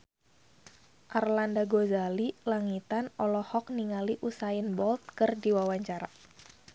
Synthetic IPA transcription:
ʔarlandaɡozalilaŋit̪anɔlɔhɔk̚niŋaliʔusajənbɔlt̪̚kɨrdiwawaɲt͡ʃaɾa

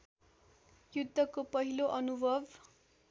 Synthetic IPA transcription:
jud̪ʱːʌkopʌɦiloʔʌnubʱʌbʱ

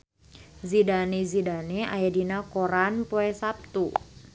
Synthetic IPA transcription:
zidanezidanea̰jadinakoɾanpoɛsap̚t̪u

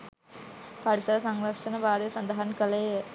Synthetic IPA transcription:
pɐɽɪsɐɾɐsɐŋɾɐʂɐnɐʋaːɾɐsɐnd̪ɐɦɐnkɐleː

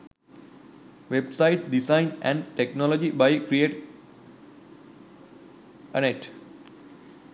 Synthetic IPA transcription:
ʋebsaɪʈ̚ɖisãɪ̃nɛ̰̃ɳɖʈeknɔlɔd͡ʒibaɪkɾieːʈ | əneʈ

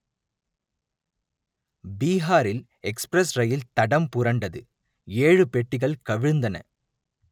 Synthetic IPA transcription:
biːɦaːɾɪl | ɛkspɾɐsrɐjɪlt̪ɐɽɐmpʊɾɐɳɖɐðɯ | eːɻɯpɛʈːɪɣɐɭkɐʋɪɻnd̪ɐnɐ̰

